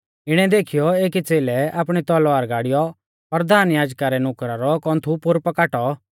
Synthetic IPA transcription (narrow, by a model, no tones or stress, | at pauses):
ɪɽ̃ɛd̪eːkʰɪjɔeːkit͡seːlɛaːpɽ̃ɛt̪ɔlʋaːɾɡaːɽɪjɔ | pɐɾd̪ʱaːnjaːd͡ʒkaɾɛnʊkɾaɾɔkɔ̃ːnt̪ʰupʊɾpɐkaːʈɔ